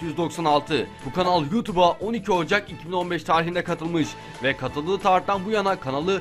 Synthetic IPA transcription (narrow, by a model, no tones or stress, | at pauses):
jyzd̪o̞ksanalˠt̪ʰɯbukanalˠjut̪ʰubaʔo̞nicʰio̞d͡ʒakicʰibino̞nbɛʃt̪ʰaːɾixind̪ɛkʰat̪ʰɯlˠmɯʃ | vɛkʰat̪ʰɯlˠdɯːt̪ʰaɾt̪ːanbujanakʰanalˠɯ